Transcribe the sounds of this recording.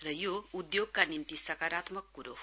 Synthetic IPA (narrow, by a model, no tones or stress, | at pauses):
rʌjoud̪joɡ̚kanimt̪isʌkaɾat̪mʌkːuɾo